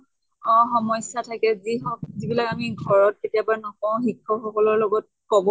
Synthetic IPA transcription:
ɔ̃xɔmɔjsatʰakɛziɔzibilakamiɡʱɔɹɔt̚ketijabaɹɛnɔkɔʊ̃xikʰːɔxɔkɔlɔɹlɔɡɔt̚kɔbɔ

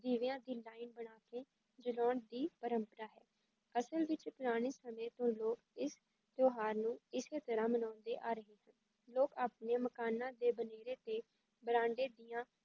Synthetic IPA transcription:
d̪iːʋɪjãːd̪iːlaːinbəɽ̃aːkeː | d͡ʒəlɔːɳd̪iːpəɾəmpəɾaːɦɛː | əsəlʋɪt͡ʃpʊɾaːɽ̃eːsəmẽːt̪õːloːkɪs | t̪joːɦaːɾnũːɪseːt̪əɾãːmənãːnd̪eːʔaːɾəɦeːɦən | loːkaːpneːməkaːnãːd̪eːbəneːɾeːt̪eː | bəɾãːɳɖeːd̪iːjãː

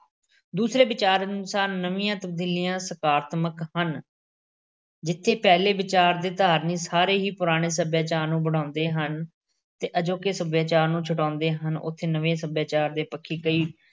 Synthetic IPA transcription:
d̪uːsɾeːbɪt͡ʃaːɾənʊsaːɾːəʋiːãːt̪əb̚d̪iːlijãːsəkaːɾt̪məkhən | d͡ʒɪt̪ʰːeːpɛːleːbɪt͡ʃaːɾd̪eːt̪aːɾniːsaːɾeːɦiːpʊɾaːɽ̃eːsəbjaːt͡ʃaːɾnũːbəɽ̤ãːʊnd̪eːɦən | t̪eːʔəd͡ʒoːkesəbjaːt͡ʃaːɾnũːt͡ʃʰʊʈãːnd̪eːɦənʊ̰t̪ʰːeːnəʋẽːsəbjaːt͡ʃaːɾd̪eːpəkʰːiːkəiː

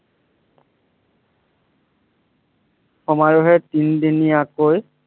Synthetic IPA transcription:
xɔmaɹɔɦɛtindinijakoj

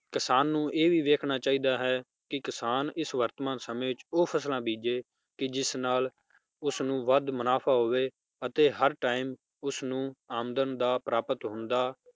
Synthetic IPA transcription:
kɪsaːnːũːʔeːʋiːʋeːkʰnaːt͡ʃaːiːd̪aːɦɛː | kɪkɪsaːnɪsʋəɾt̪mãːnsəmẽːɪt͡ʃoːpʰəslãːbiːd͡ʒeː | kɪd͡ʒɪsnaːl | ʊsnũːʋəd̪mənaːpʰaːɦoːʋeː | ət̪eːɦəɾʈaːɪm | ʊsnũːaːmd̪ənd̪aːpɾaːpət̪ɦʊnd̪aː

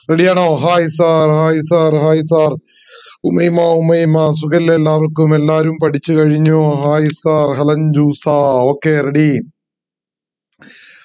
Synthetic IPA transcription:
reɽijaːɳoːɦaːjsaːrhaːjisaːrɦaːjisaːr | umɐjmaːumɐjmaːs̬ukɐllelːaːʋɐrkːumelːaːɾumpɐʈit͡ɕːɨkɐɻiɲːoɦaːjisaːrɦɐlɐnd͡ʑuːsaːo̞ːkːeːreɽi

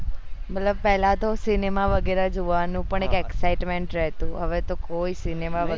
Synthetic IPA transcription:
mət̪ləb̚pɛɦlãt̪osinemaʋəɡeɾad͡ʒoʋanũpəɳekɛksaɪʈmeɳʈɾɛɦt̪ũɦəʋet̪okoisinemaə

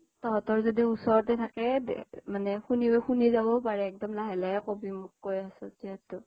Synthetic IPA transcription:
tɔɦɔtɔɹzodiusɔɹtɛtʰakɛd̰manɛxunibɔxunizabɔpaɹɛːk̚dɔmlaɦɛlaɛkobimʊkːojasɔziɛtːʊ

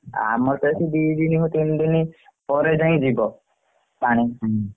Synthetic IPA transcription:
a̰mɔɾt̪esid̪id̪iniɦot̪ind̪ini | pɔɾed͡ʒaĩd͡ʒibɔ | paɽ̃i

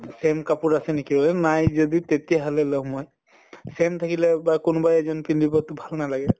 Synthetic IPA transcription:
semkapuɹasɛnikiɹɔlɛnajzɔd̪it̪et̪ijaɦalɛlɔmɔj | semt̪ʰakilɛbakʊnbajɛzɔnpindibɔtʊbʱalnalaɡɛ

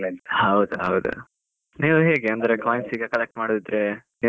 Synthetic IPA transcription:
hɐwd̪uɦɐwd̪ṵ | niːʋuɦe̞ːɡeɐnd̪ɾekaːjɐnsiːɡɐkɐlek̚ʈmaːɽd̪id̪ɾeni

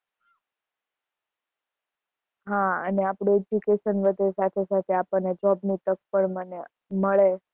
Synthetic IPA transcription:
ɦãə̰neapɽoed͡ʒikeʃənʋəd̪ʱesat̪ʰesat̪ʰeapəned͡ʒɔbnit̪ək̚pəɳməne | məɭe

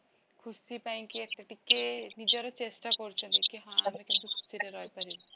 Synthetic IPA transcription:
kʰusipaĩkiek̚t̪eʈikːenid͡ʒɔɾɔt͡ʃesʈakɔɾut͡ʃʰunt̪ikiɦãmekent̪ukʰu̥siɾeɾɔjpaɾi

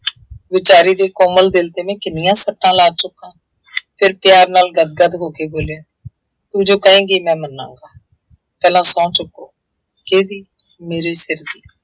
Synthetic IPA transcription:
ʋɪt͡ʃaːɾiːd̪eːkɔːməld̪ɪlt̪eːmɛ̃ːkɪnɪjãːsəʈːãːlaːt͡ʃʊkːãː | pʰɪɾpjaːɾnaːlɡəd̪̚ɡəd̪ɦoːkeːboːljaː | t̪ud͡ʒõːkəẽːɡeːmɛ̃ːmənːã̰ːŋɡaː | pɛːlãːsɔ̃ːt͡ʃʊkːoː | keːd̪iː | meːɾeːsɪɾd̪iː

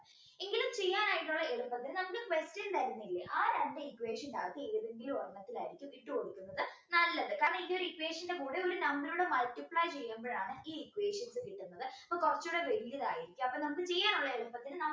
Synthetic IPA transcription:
eŋɡilumt͡ɕe̞jːaːnaːjiʈːuɭːɐeɭumpːɐt̪ːinɨnɐmukːɨkʋestɐnt̪ɐɾunːuilːeʔaːɾɐɳdeikːweːʂɐnda̰ːɣt̪ːieɾuðinɡilorɳːɐt̪ːila̰ːjiɾikʲːumiʈːɨkoɽikʲːunːɐðɨnɐlːɐðɨkaːɾrɐɳɐindeoɾuikʋe̞ːʂɐnde̞kuːɽeoɾunɐmːɐluɽemɐlʈːipɭaːjt͡ɕe̞jːumboːɻaːɳɨʔiːikweːʂɐnsɨkiʈːunːɐðɨɐpːoːkurɐt͡ɕːuːɽeʋeɾijːɐðaːjiɾikʲːumɐpːoːnɐmɐkːɨt͡ɕe̞jːaːnuɭːɐeɭupːɐt̪ːinɨnɐ

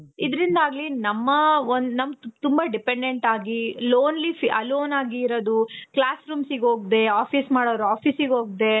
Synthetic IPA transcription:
id̪ɾind̪aːɡlinɐmːɐond̪nɐmt̪umbɐɖipeɳɖeɳʈaːɡiloːnlifiɐloːnaːɡiːɾod̪uklaːsɾuːmsiɡɦoːɡ̚d̪e̞aːpʰismaːɽoːɐɾuaːpʰiːsiɡɦoːɡ̚d̪e̞

